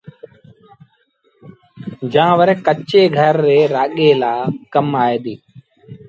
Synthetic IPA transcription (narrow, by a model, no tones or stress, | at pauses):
d͡ʒãːʋəɾɛ̃kət͡ʃeːɡʱəɾːeːɾaːɠeːlaːkəmaːeːd̪iː